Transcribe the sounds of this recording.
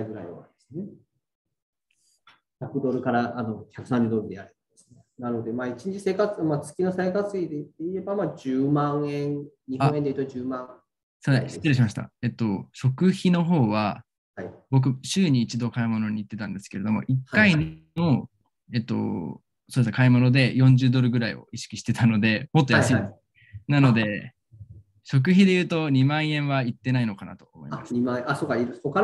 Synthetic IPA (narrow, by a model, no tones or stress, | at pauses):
aɡɯ̟ɾa̰ḭβa̰d̪esne | çʲakɯ̟d̪o̞ɾɯ̟kaɾaʔano̞çʲakɯ̟sãɲːid̪o̞ɾɯd̪e̞jaɾe̥esnenano̞d̪e̞maːit͡ɕĩɲ̟t͡ɕise̞ːkat͡sɨmat͡sɨ̥kʲino̞seekat͡sɨid̪et̪ːeie̞bamaːd͡ʑɨːmãɰ̃ẽŋn | ɲiɦãendeit̪ead͡ʑɨːmãŋ | sost̪ːiɾiɕimaɕi̥t̪a̰e̞t̪ːo̞ɕo̞kɯ̟çino̞ɦo̞ːβa | haibo̞k̬ɯ̟ɕɨːɲ̟iːt͡ɕid̪o̞kaimo̞no̞ɲ̟iːt̪ːe̞t̪ãnd̪e̞sɨ̥keɾe̞d̪o̞mo̞̰ʔikːainno | e̞t̪ːo̞̰ | so̞ːd̪eskaimo̞no̞d̪e̞jõ̞ɲ̟d͡ʑɨːd̪o̞ɾɯ̟ɡɯ̟ɾaḭo̰iɕi̥kʲiɕi̥t̪e̞t̪ano̞d̪e̞mo̞t̪ːojasɨid̪es | nano̞d̪e̞ | ɕo̞k̬ɯ̟çid̪e̞jɯ̟ːt̪o̞ɲ̟imãɰ̃ẽ̞ɰ̃βait̪ːe̞naino̞kana̰t̪o̞̥ːmo̞ḭasɨimãẽasokːaiɾɯhoka